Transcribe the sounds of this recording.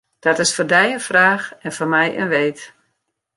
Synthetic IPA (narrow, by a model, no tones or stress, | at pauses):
d̥ɔtɪsfɔrdɛjənfraːxɛnfɔrmɛjʔə̰nʋeːt